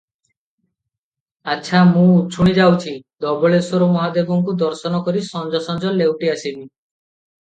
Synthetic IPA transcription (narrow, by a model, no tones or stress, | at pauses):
aːʃʰamũt͡ʃʰuɽ̃id͡ʒawt͡ʃʰid̪ɔbɔɭesɔɾomɔɦad̪ebɔŋkud̪ɔɾsɔnɔkɔɾisɔnd͡ʒɔsɔnd͡ʒɔlewʈiasibi